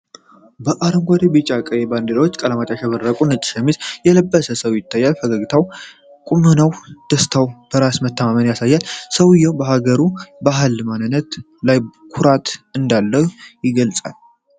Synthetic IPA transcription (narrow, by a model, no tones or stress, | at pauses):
bəʔaɾɨmɡʷad̪ebit͡ʃʼakʼəjɛband̪elwot͡ʃːkʼələmat͡ʃ̪ʼaʃɛβərːəkʼunɨt͡ʃʼʃɛmizjɛləbːəsəsəwjɪt̪ʰːajːalfəɡəɡit̪ʰaw | kʼumɨnəwd̪̥əst̪ʰawb̥əɾasmət̪ːəmamənjasajːalsəwɨjːɛwbəɦaɡəɾubaɦɨlmanɨnət̪ | lajkʰuɾat̪ʰɨnd̪alːəwjɪɡəlsʼa̰l